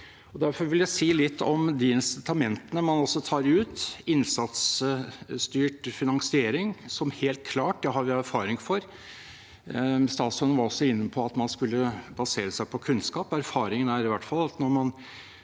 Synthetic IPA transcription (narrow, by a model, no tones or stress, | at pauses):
ɔd̪æɾfɔɾʋɪljæɪsiːlɪt̪ʰːɔmd̪iɪnsɪt̪ʰɑmɛnt̪ənəmɑnɔsːɔt̪ʰɑːɾʉːt̪ɪnsɑt̪s | st̪yːʈfɪnɑŋsɪeːɾɪŋsɔmheːlt̪̚kʰlɑːʈd̪ɛhɑɾʋɪæɾfɑːɾɪŋfɔɾ | st̪ɑːt̪sɔnənʋɑɾɔsːɔɪnːəpʰɔɑt̪mɑnskʉlːəbɑseːɾəsæɪpʰɔkʰʉnskɑːpæɾfɑːɾɪŋənæɾɪʋæʈːfɑlːɑt̪nɔɾmɑn